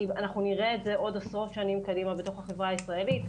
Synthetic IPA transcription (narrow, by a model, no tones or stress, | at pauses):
ianaχnuniʁeːtze̞ʔo̞dasʁo̞tʃanimkadimabet̪o̞χaχevʁaːisʁae̞lit̪